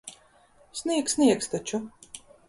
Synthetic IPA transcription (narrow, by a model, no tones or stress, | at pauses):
snʲiɛksʲnʲiɛkst̪at͡ʃu